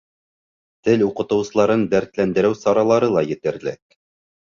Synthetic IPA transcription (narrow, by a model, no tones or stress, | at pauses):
t̪ɘluqɤ̆t̪ɤ̆wsɤ̆lˠɑɾɤnb̪æɾt̪lænd̪ɘ̆ɾɘwsɑɾɑlˠɑɾɤlˠɑjɘ̆t̪ɘ̆ɾlɘ̰k̚